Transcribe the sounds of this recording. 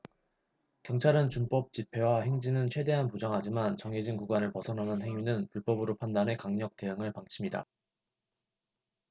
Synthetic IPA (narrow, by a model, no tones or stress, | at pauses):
kjʌŋt͡ɕʰaɾɯnt͡ɕump͈ʌp̚t͡ɕ͈ipʰe̞wahe̞ŋd͡ʑinɯnt͡ɕʰwe̞de̞ɦanpod͡ʑaŋɦad͡ʑimant͡ɕʌŋed͡ʑinkuɡwanɯɭpʌsʰʌnanɯnɦe̞ŋjɥinɯnpuɭp͈ʌbɯɾopʰandanɦe̞kaŋɲʌk̚t͈e̞ɦɯŋɯɭpaŋt͡ɕʰimɲida̰